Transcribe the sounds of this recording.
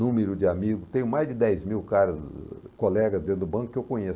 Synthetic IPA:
ũmeɾʊd͡ʒɪamiɡʊt̪ẽj̃ʊmajzd͡ʒɪd̪ɛjzmiwkaɾɐz | kolɛɡɐzd̪ẽd̪ʊbɐ̃kʊ̥kɪewkõɲe

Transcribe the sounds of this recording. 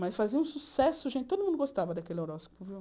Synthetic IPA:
mɐjsfaziɐũsusɛsʊʒẽntt͡ʃɪt̪od̪ʊmũnd̪ʊɡost̪avɐd̪ɐkelɪeɾɔspʊviw

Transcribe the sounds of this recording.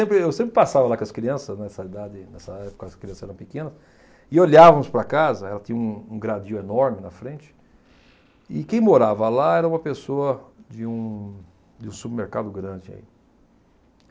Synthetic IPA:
ẽmpɾɪewsẽmpɾɪpasavɐlakõɐskɾiɐ̃sɐznɛsɐid̪ad͡ʒɪnɛsɐɛpo̥kɐskɾiɐ̃sɐzɛɾɐ̃w̃pɪkẽnɐs | ɪoʎavɐmʊspɾɐkazɐɛlɐt̪ĩɲɐũũɡɾad͡ʒiʊenɔɾmɪnɐfɾẽnt͡ʃɪ̥ | ɪkẽj̃moɾavɐlaɛɾɐũmɐpesoɐd͡ʒɪũ | d͡ʒɪũsubɪɾmeɾkad̪ʊɡɾɐ̃nd͡ʒɪa̰ḭ

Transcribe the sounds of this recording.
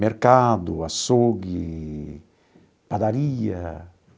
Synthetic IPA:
meɾkad̪ʊasoɡi | pad̪aɾiɐ̰

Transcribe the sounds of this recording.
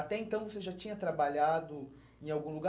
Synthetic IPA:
at̪ɛẽnt̪ɐ̃w̃voseʒat͡ʃĩɲɐt̪ɾabaʎad̪ʊ | ẽj̃awɡũluɡa

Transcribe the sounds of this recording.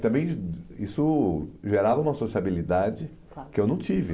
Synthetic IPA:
t̪ɐ̃mbẽj̃isʊʒeɾavɐũmɐasosiabilid̪ad͡ʒɪ | akɪewnɐ̃w̃t͡ʃivɪ

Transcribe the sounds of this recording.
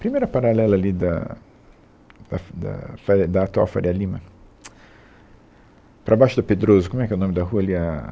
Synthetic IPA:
pɾimejɾɐpaɾalɛlɐːlid̪ɐ̰ | d̪̥ɐd̪ɐ̰faɾd̪ɐːt̪wa̰wfaɾiɐlĩmɐ | pɾʔɐbajʃʊd̪ɐped̪ɾozʊkomwɛkɛʊnõmɪd̪ɐɦuɐliɐ

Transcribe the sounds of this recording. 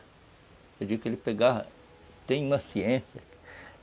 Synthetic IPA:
ewd͡ʒiɡʊkelɪpeɡaɐ̰ | t̪ẽj̃ũmɐsiẽsjɐ̰k

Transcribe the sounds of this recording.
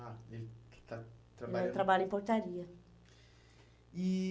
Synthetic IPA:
aet̪at̪ɾabɛt̪ɾabalʊimpoɾt̪aɾiːɐ | i

